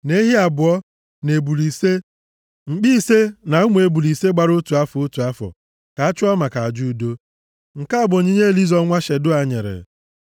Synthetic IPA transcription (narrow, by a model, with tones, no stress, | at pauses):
ne˦ɦi˦a˨bʊ˨ɔ˦ | ne˨bu˨li˨se˦ | ŋ͡m̩˨k͡pi˦se˦na˨u˦ŋʷ˦e˨bu˨li˨se˦ɡ͡ba˨ɾʊ˦tu˨a˦fʊ˦tu˨a˦fɔ̰˨ | ka˨a˦t͡ʃʊ˦ɔ˦ma˨ka˨a˨d͡ʒu˦˨do˦ | ŋ̩˨ka˦a˦˨bʊ˨ɲi˦ɲe˦˨li˦zɔ˦ŋʷa˦ʃe˨dʊ˦a˨ɲḛ˨ɾḛ˨